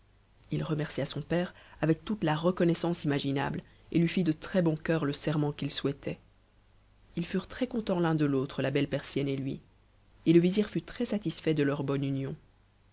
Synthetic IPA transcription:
ilʁəmɛʁsiasɔ̃pɛːʁavɛk̚t̪ut̪laʁəkɔnɛsɑ̃simaʒina̰bl | ḛlɥifid̪ət̪χɛbɔ̃kʲœʁləsɛʁmɑ̃kilswɛt̪ʰɛ | ilfyʁt̪χɛkɔ̃t̪ɑ̃lɛ̃d̪əlot̪χəlabɛlpɛʁsjɛnelɥḭ | eləviziʁfyt̪χɛsat̪isfɛd̪əlœʁbɔnynjɔ̃

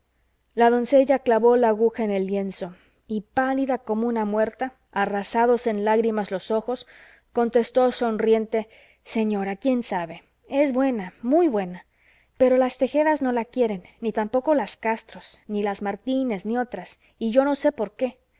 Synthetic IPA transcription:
laðo̞nse̞ʝaklaβo̞laːɣuxaene̞lːje̞nso̞ | ipaliðako̞mounamwe̞ɾt̪aː | rasað̞o̞se̞nlaɣɾimazlo̞so̞xo̞s | ko̞nt̪e̞st̪o̞so̞nrje̞nt̪e̞ | se̞ɲo̞ɾakje̞nsaβe̞ | e̞zβwe̞namujβwe̞na | pe̞ɾo̞last̪e̞xe̞ðazno̞lakje̞ɾe̞nːit̪ampo̞ko̞laskast̪ɾosnilazmaɾt̪ine̞znio̞t̪ɾas | iʝo̞no̞se̞po̞ɾke̞

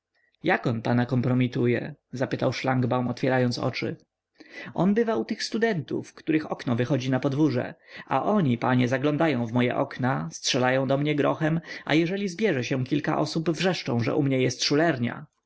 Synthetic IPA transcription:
jakɔnpanakɔmpɾɔmʲit̪ujɛ̰zapɘt̪awʂlaŋɡbawmɔt̪fʲɛɾajɔnt̪sɔ̰t͡ʂɘ̰ | ʔɔnbɘvaut̪ɘxst̪ud̪ɛnt̪ṵfkt̪uɾɘxɔknɔvɘxɔd͡ʑinapɔd̪vuʐɛ̰a̰ʔɔɲipaɲɛzaɡlɔ̃nd̪ajɔ̃w̃vmɔjɛ̰ʔɔknastʂɛlajɔ̃w̃d̪ɔmɲɛɡɾɔxɛmʔa̰jɛʐɛlʲizbʲjɛʐɛɕɛ̃kʲilka̰ʔɔsubvʐɛʂt͡ʂɔ̃w̃ʐɛ̰ʔumɲɛjɛst̪ʂulɛɾɲa̰

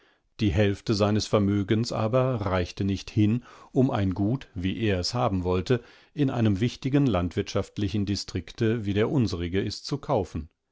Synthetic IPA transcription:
d̥iːɦɛlftəzaɪnəsfɛɐmøːɡənsʔa̰ːbɐʁaɪçtənɪçthɪnʔʊma̰ɪnɡuːtviːʔeːɐɛshaːbm̩vɔltə | ʔɪnʔa̰ɪnəmvɪçtɪɡənlantv̥ɪɐtʃaftlɪçn̩distʁ̥ɪktəviːdeːɐʔʊnzəʁɪɡəɛstt͡sukʰaʊfn̩

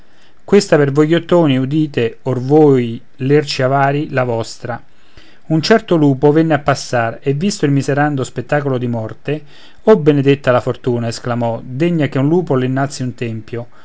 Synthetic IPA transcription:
kwest̪apervojːot̪ːoːniud̪iːt̪eorvoːj | lert͡ʃiavaːɾilavɔst̪ɾa | unt͡ʃɛrt̪oluːpovɛnːeapːasːarevːist̪oilmizeɾand̪ospet̪ːaːkolod̪imɔrt̪e | ɔbened̪et̪ːalafort̪uːnaesklamɔd̪eɲːakeunluːpoleinːalt̪sːiunt̪ɛmpjo

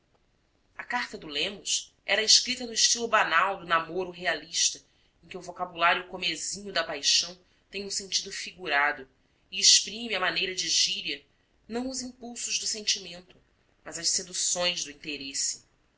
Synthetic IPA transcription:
ɐkaɾt̪ɐd̪ʊlẽmʊs | ʔɛɾɐɪʃkɾit̪ɐnʊɪʃt͡ʃilʊbanawd̪ʊnamoɾʊɦealiʃt̪ɐ | ẽkʲɪʊvokabulaɾjʊkomezĩɲʊd̪ɐpajʃɐ̃w̃ | t̪ẽj̃ũsẽnt͡ʃid̪ʊfiɡuɾad̪ʊ | ɪeʃpɾĩmɪɐmanejɾɐd͡ʒɪʒiɾiɐ | nɐ̃w̃ʊzĩpuwsʊʒd̪ʊsẽnt͡ʃimẽnt̪ʊ | mɐzɐʃsed̪usõj̃zd̪ʊĩnt̪eɾesɪ̥

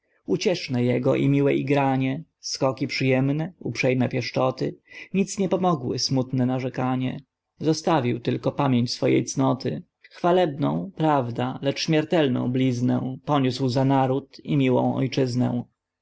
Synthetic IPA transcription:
ut͡ɕɛʂnɛjɛɡɔʔḭmʲiwɛʔiɡɾaɲɛ | skɔkʲipʂɘjɛmnɛupʂɛjmɛpʲjɛʂt͡ʂɔt̪ɘɲit̪sɲɛpɔmɔɡwɘ̰smut̪nɛnaʐɛkaɲɛ̰ | zɔst̪avʲiwt̪ɘlkɔpamʲjeɲt͡ɕsfɔjḛjt̪snɔt̪ɘ | xfalɛbnɔ̰̃w̃pɾavd̪alɛt͡ʂɕmʲjɛɾt̪ɛlnɔ̰̃w̃blʲiznɛ̰w̃pɔɲuswzanaɾut̪ḭmʲiwɔ̰̃w̃ɔ̰jt͡ʂɘznɛ̰̃

